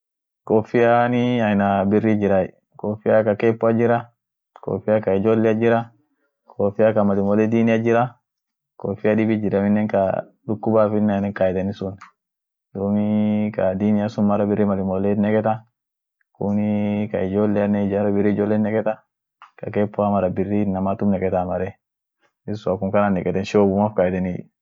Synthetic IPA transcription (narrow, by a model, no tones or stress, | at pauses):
kofijaniajnabirːid͡ʒiɾaḭ | kofijakakɛpːuad͡ʒiɾa | ko̰fijakaid͡ʒɔlːɛad͡ʒiɾa | kʰofijakamalimɔlɛd̪inijad͡ʒiɾa | kofijadibid͡ʒiɾaminːɛŋka̰ | ɗukːubafinːajnɛkajɛt̪anisun | dumikad̪inijasumːaɾabɪɾimalɪmɔlɛtnɛkɛt̪a | kunikaid͡ʒɔlːɛanɛd͡ʒaɾabɪɾid͡ʒɔlːɛnɛkɛt̪a | kakɛpːɔamaɾabirːinamat̪umnɛkɛt̪amaɾɛ | isʊakuŋkananɛkɛt̪ɛnʃoːbumafkajɛt̪ɛni